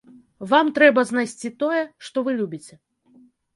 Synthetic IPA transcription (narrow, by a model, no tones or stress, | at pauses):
vamt̪ɾɛbɐzn̪ajsʲt͡sʲit̪ɔjɛʂt̪ɔvɨlʲubʲit͡sʲɛ